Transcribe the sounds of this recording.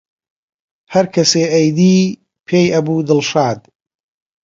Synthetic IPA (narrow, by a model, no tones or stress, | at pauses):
hɐɾkʰɐseːʔɐjd̪iː | pʰeːjʔɐbuːd̪ɨlˠʃaːd̪